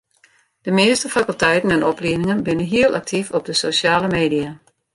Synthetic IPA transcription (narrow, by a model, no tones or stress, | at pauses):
d̥əmeəstəfakylˠtɛjtən̩ɛnɔplinɪŋənbɪnənɦiəlˠʔak̚tʰifɔp̚dəsosjaːləmeːdia